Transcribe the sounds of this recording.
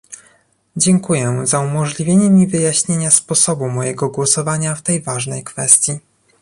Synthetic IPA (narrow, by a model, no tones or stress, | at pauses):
d͡ʑɛŋkujɛzaumɔʐlʲivʲjeɲɛmʲivɘjaɕɲeɲaspɔsɔbumɔjɛɡɔɡwɔsɔvaɲaft̪ɛjvaʐnɛjkfɛst̪ʲji